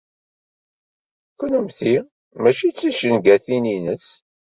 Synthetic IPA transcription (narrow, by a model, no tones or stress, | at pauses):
kʷːənəmθi | mæʃit͡sːiʃənɡæθininəs